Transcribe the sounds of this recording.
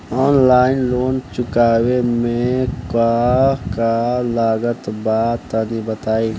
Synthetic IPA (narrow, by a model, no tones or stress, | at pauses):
ɔːnlaːɪnloːnt͡ʃʊkaːwemẽkakalaːɡət̪baːt̪ənibət̪aːi